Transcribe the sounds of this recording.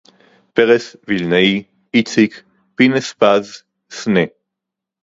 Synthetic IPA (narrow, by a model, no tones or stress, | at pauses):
peʁesvilnei | it͡sik | pinespaz | sne